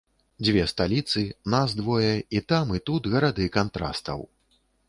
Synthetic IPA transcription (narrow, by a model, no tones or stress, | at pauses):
d͡zʲvʲɛst̪alʲit̪sɨnazd̪vɔjɛit̪amit̪ut̪ɣɐɾad̪ɨkant̪ɾa̰st̪ɐ̰w